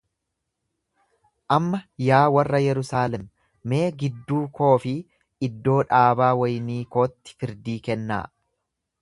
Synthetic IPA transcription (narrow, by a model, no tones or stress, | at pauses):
ʔɐmːɐjaːwɐrːɐjɛɾʊsaːlɛmː | e̞ːɡɪd̪ːuːkʰo̞ːfɪ | ɪd̪ːo̞ːᶑaːbaːwɐjniːko̞ːt̪ːɪ̥fɪɾd̪iːkɛnːa̰ː